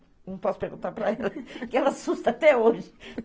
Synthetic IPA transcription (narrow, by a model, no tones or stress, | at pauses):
nɐ̃w̃pɔsʊ̥peɾɡũt̪aɾpɾɐɛlɐkɪɛlɐasust̪ɐat̪ɛoʒɪ